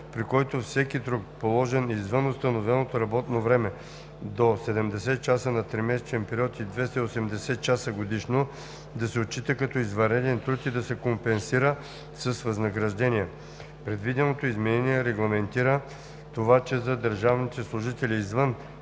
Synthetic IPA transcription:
pɾikɔjt̪ofsɛkid̪ɾukpolˠɔʒɛnizvənost̪ɐnovɛnot̪oɾɐbɔt̪novɾɛmɛ | d̪osɛd̪ɛmd̪ɛsɛt̪̚t͡ʃasənɐt̪ɾimɛsɛt͡ʃɛnpɛɾʲiɔt̪id̪vɛst̪ɐiosɛmd̪ɛsɛt̪̚t͡ʃasəɡod̪iʃno | d̪ɐsɛot̪̚t͡ʃːit̪əkɐt̪ɔizvɐɾɛd̪ɛnt̪ɾut̪id̪ɐsɛkompɛnsiɾə | sɐsvɐznɐɡɾɐʒd̪ɛnʲiɛ | pɾɛd̪vid̪ɛnot̪oizmɛnɛniɛɾɛɡlˠɐmɛnt̪iɾə | t̪ovat͡ʃɛzɐd̪əɾʒavnit̪ɛslˠʊʒit̪ɛlʲiːzvən

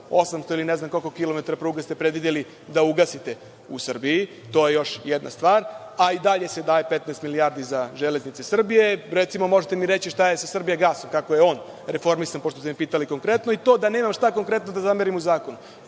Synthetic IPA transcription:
osamst̪oilineznamko̞lkokilo̞met̪aɾapɾuːɡast̪e̞pɾed̪ʋid̪eli | d̪auɡasit̪e̞ | usr̩biji | t̪o̞ːje̞jo̞ʃjed̪nʔa̰st̪ʋaːɾ | aid̪aʎe̞se̞d̪aːje̞pet̪nɛest̪miliaɾd̪izaʒeleznit̪sesr̩bije̞ɾet̪simo̞mo̞ʒet̪e̞miɾet͡ɕiʃt̪ajesasr̩bijeɡaːso̞mkako̞jeo̞ːn | ɾefo̞ɾmisanpot̪ost̪emipiːt̪aliko̞ŋkɾe̞t̪noit̪o̞ːd̪ane̞ːmamʃt̪ako̞ŋkɾe̞t̪no̞d̪azameɾimuzaːko̞nu

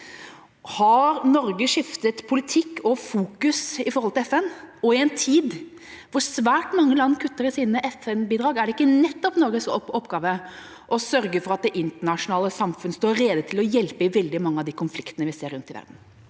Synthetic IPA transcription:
hɑɾnɔɾɡəʂɪft̪ət̪pʰʊlɪt̪ʰɪkːɔfuːkʉsɪfɔɾɔlt̪ɪlɛfɛnɔɪɛnt̪ʰiːd̪ | ʋʊɾsʋæːʈmɑŋːəlɑnːkʰʉt̪ːəɾɪsiːnəʔɛfɛnbiːd̪ɾɑːɡæɖɛɪkːənɛt̪ːɔpnɔɾɡəsɔɔpːɡɑːʋə | ʔɔsœɾɡəfɔɾɑt̪̚d̪ɛʔɪnt̪əɳɑʂʊnɑːləsɑmfʉnəst̪oːɾeːd̪ət̪ʰɪlɔjɛlpəɪʋɛld̪ɪmɑŋːəɑʋd̪iːkʰʊnflɪkt̪ənəʋɪseːɾːʉnt̪ɪʋæ̰ɾd̪n̩

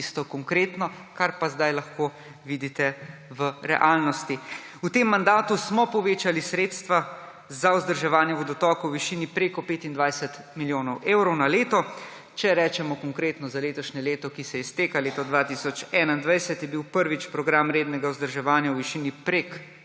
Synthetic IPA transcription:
ist̪ɔkɔŋkɾeːt̪nɔ | kaɾpazd̪ajlaxko | ʋid̪it̪ɛʋəɾɛ̰ʔalnɔst̪i | ut̪emːand̪aːt̪usmɔpɔʋeːt͡ʃalisɾeːt̪st̪ʋa | zauzd̪əɾʒɛʋaːnjɛʋɔd̪ɔt̪ɔːkɔwʋiʃiːnipɾeːkɔpeːt̪ind̪ʋajsɛt̪ | miljoːnɔwʔeːwɾɔwnaleːt̪ɔ | t͡ʃɛɾɛːt͡ʃɛmɔkɔŋkɾet̪nɔzaleːt̪ɔʃɲɛleːt̪ɔkisɛjɛst̪eːkaleːt̪ɔd̪ʋaːt̪isɔt͡ʃɛːnaind̪ʋajsɛt̪jɛbiwpəɾʋit͡ʃpɾɔɡɾamɾeːd̪nɛɡauzd̪əɾʒɛʋaːnjawʋiʃiːnipɾek

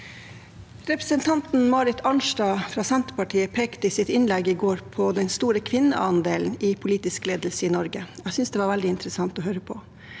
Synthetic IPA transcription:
ɾɛpɾəsənt̪ʰɑnt̪n̩mɑːɾɪt̪ʰɑɳʃdɑːfɾɑːsɛnt̪pɑʈʰiːəpʰeːkt̪əɪsɪt̪ɪnlɛɡɪɡoːɾpʰɔd̪ɛnst̪uːɾəkʰʋɪnːə̰ʔɑnd̪eːln̩ipʰʊliːt̪ɪskleːd̪lsəinɔɾɡəæsʏnsd̪eːʋɑːɾʋæld̪ɪɪnt̪əɾəsɑŋt̪ɔɦøːɾəpʰɔ

